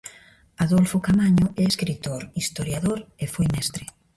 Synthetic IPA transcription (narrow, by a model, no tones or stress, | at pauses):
aðolfokamaɲoɛeskɾit̪oɾist̪oɾjaðoɾefojmɛst̪ɾe